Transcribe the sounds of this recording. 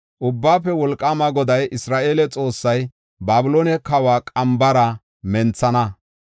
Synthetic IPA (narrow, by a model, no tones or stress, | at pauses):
ʔʊbːaːpːɛwɔlkʼːamɐɡɔd̪ɐjʔɪsɾaːʔe̞ːlɛt͡sʼo̞ːsːɐj | baːbʊloːnɛkɐwaːkʼɐmbɐɾɐ | mɛnt͡sːɐnɐ